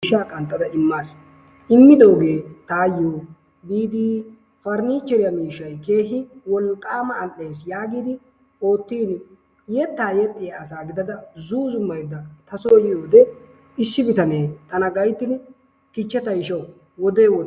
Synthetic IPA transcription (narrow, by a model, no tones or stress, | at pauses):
ʃaːkʼɐnt̪ʼːɐd̪ɐʔɪmːaːs | ʔɪmːɪd̪oːɡe̞ːt̪aːjːoː | biːd̪iː | fɐɾniːt͡ʃːɛɾɪjɐmiːʃːɐjke̞ːɦɪwɔlkʼːaːmɐːlʔːe̞ːsjaːɡiːd̪ɪ | o̞ːt̪ːiːn | jɛt̪ːaːjɛt̪ʼːɪjaːsaːɡɪd̪ɐd̪ɐzuːzʊmːɐjd̪ːɐt̪ɐsoːjɪjoːd̪ɛ | ɪsːɪbɪt̪ɐneːt̪ɐnɐɡɐjt̪ːɪn | kɪt͡ʃːɛt̪ɐjɪʃɐw | wɔd̪eːwɔd̪